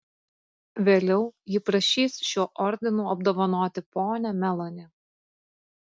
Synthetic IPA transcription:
ʋʲeːlʲɛʊjɪpɾɐʃʲiːsʃʲuːʔɔɾʲd̪ʲɪnuːɐbd̪oːʋɔnoːt̪ʲɪpoːnʲɛmʲɛlˠɔnʲɪ

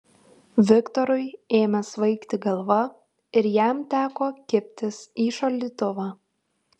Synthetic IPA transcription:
ʋʲɪkt̪ɔɾʊɪeːmʲɛsʋɐɪkt̪ʲɪɡɐlˠʋɐ | ɪɾjæˑmt̪ʲæːkoːkʲɪpʲt̪ʲɪsiːʃɐlʲd̪ʲiːt̪ʊʋɑː

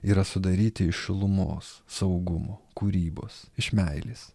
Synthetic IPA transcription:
iːɾɐsʊd̪ɐɾʲiːt̪ʲɪɪʃʃʲɪlˠʊmo̰ːssɐʊɡʊmoːkuːɾʲiːbo̰ːsɪʃmʲæɪlʲiːs

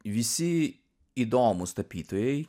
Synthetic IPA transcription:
ʋʲisʲi | id̪ɔmʊst̪ɐpʲit̪ɔjɛj

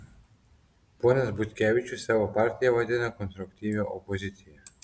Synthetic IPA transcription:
pɔnasbut̪kʲɛvit͡ʃusɛvɔpaɾt̪ijavɔd̪ɛnakɔnst̪ɾukt̪ivnaʔɔpɔzit̪sija

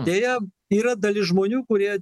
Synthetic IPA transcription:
d̪ʲeːjɛ | iːɾɐd̪ɐlʲɪʒmoːnʲuːkʊɾʲiɛ

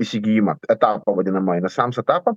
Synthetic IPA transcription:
isʲɪɡʲijimɐɛt̪aːpɐʋɐd̪ʲɪnɐmɐɪnɐsɑmsɛt̪aːpɐ

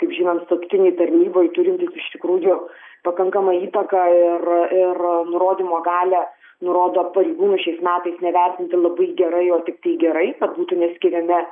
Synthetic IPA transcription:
kɐɪpʒʲiːnoːnt̪sɐkt̪ʲɪnʲɛɪt̪ɐɾʲnʲiːboːjt̪ʊɾʲɪnʲt̪ʲisɪʃt̪ʲɪkɾuːjʊ | pɐkɐŋkɐmɐiːt̪ɐkɐɪrɪrnʊɾoːd̪ʲimoːɡɑːlʲɛː | nʊɾoːd̪oːpɐɾʲɛɪɡuːnʊʃʲɛɪsmʲæːt̪ɐɪsnʲɛʋʲærʲt̪ʲɪnʲt̪ʲɪlˠɐbɐɪɡʲɛɾɐɪoːt̪ʲɪk̚t̪ɐɪɡʲɛɾɐɪkɐt̪buːt̪ʊnʲɛsʲkʲɪɾʲɛmʲɪ

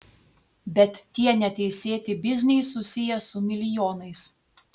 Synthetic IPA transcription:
bʲɛt̪ːʲiɛnʲɛt̪ʲɛɪsʲeːt̪ʲɪbʲɪzʲnʲɛɪsʊsʲɪjɛsʊmʲɪlʲɪjoːnɐɪs

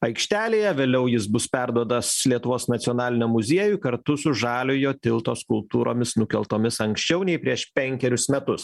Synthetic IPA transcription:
ɐɪkʃʲt̪ʲæːlʲeːjɛʋʲeːlʲɛʊjɪs̬bʊspʲæɾd̪uɔd̪ɐslʲiɛt̪ʊʋoːsnɐt̪sʲɪɔnɑːlʲɪnʲomʊzʲiɛjʊkɐɾt̪ʊsʊʒɑːlʲʊjoːt̪ʲɪlˠt̪oːskʊlˠp̚t̪uːɾo̰ːmʲɪsnʊkʲɛlˠt̪oːmʲɪsɐŋksʲt͡ʃʲɛʊnʲɛɪpʲɾʲiɛʃpʲɛŋʲkʲɛɾʲʊsmʲɛt̪ʊs

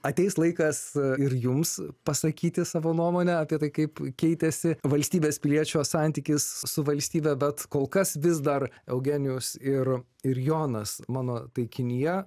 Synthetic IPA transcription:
ɐt̪ʲɛɪslˠɐɪkɐsɪɾjʊmspɐsɐkʲiːt̪ʲɪsɑːʋoːnuɔmoːnʲɛɐpʲiɛt̪ɐɪkɐɪpkʲɛɪt̪ʲɛsʲɪʋɐlʲsʲt̪ʲiːbʲeːspʲɪlʲiɛt͡ʃʲoːsɑnʲt̪ʲiːkʲɪssʊʋɐlʲsʲt̪ʲiːbʲɛbʲɛt̪koːlˠkɐsʋʲɪs̬d̪ɐɾɛʊɡʲeːnʲɪjʊsɪr | ɪɾjoːnɐsmɑːnoːt̪ɐɪkʲɪnʲijɛ

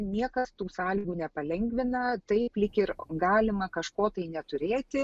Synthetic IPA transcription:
nʲiɛkɐst̪uːsɑːlʲiɡuːnʲɛpɐlʲɛŋʲɡʲʋʲɪnɐt̪ɐɪplʲɪkʲɪrɡɑːlʲɪmɐkɐʃkoːt̪ɐɪnʲɛt̪ʊɾʲeːt̪ʲɪ

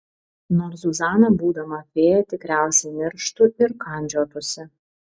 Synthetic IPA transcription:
noːɾsuzɑːnɐbuːd̪ɐmɐpʲeːjɛt̪ʲɪkɾʲæˑʊsʲɛɪmʲɪɾʃt̪ʊɪɾkɐˑnʲd͡ʒʲoːp̪ʊsʲɛ

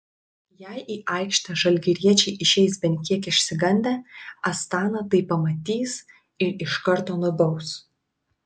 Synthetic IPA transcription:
jæɪʔiːʔɑˑɪkʃʲt̪ʲɐʒɐlʲɡʲɪɾʲiɛt͡ʃʲɛɪʔɪʃʲɛɪs̬bʲɛnʲt̪ʲkʲiɛkɪʃʲsʲɪɡɐnʲd̪ʲeːɐst̪ɑːnɐt̪ɐɪpɐmɐt̪ʲiːs | ɪɾɪʃkɐɾt̪oːnʊd̪ɐʊs

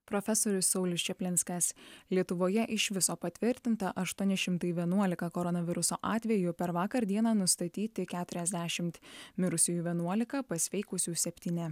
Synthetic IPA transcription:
pɾɔfʲɛsoːɾʲʊsːɔʊlʲɪst͡ʃʲɛpʲlʲɪnʲsʲkɐslʲiɛt̪ʊʋoːjɛʔɪʃʋʲɪsoːpɐt̪ʲʋʲɪɾʲt̪ʲɪnt̪ɐʔɐʃt̪uɔnʲɪʃʲɪmt̪ɐɪʋʲiɛnuɔlʲɪkɐkɔɾɔnɐʋʲɪɾʊsoːʔɑːt̪ʲʋʲɛjʊpʲɛɾʋɑːkɐɾd̪ʲiɛnɑːnʊst̪ɐt̪ʲiːt̪ʲɪkʲæːt̪ʊɾʲɛzʲd̪ʲæʃʲɪmt̪mʲɪɾʊsʲɪjuːʋʲiɛnuɔlʲɪkɐpɐsʲʋʲɛɪkʊsʲuːsʲɛpʲt̪ʲiːnʲɪ

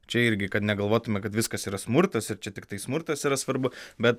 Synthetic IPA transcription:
t͡ʃʲɛɪɾʲɡʲɪkɐt̪nʲɛɡɐlˠʋoːt̪ʊmʲɛkɐt̪ʋʲɪskɐsiːɾɐsmʊɾt̪ɐsɪɾt͡ʃʲɛt̪ʲɪkt̪ɐɪsmʊɾt̪ɐsiːɾɐsʋɐɾbʊbʲɛt̪

